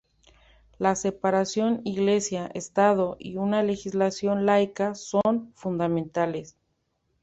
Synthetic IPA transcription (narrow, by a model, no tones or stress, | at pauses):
lase̞paɾasjo̞niɣle̞sjaʔest̪að̞o̞ʔḭunale̞xizlasjo̞nlajkaso̞nfund̪amẽnt̪ale̞s